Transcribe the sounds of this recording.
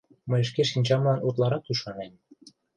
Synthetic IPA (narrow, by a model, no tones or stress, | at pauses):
məjəʃ̬keʃinʲt͡ɕɑmlɑnot̪lɑɾɑk̪̚uʃɑnen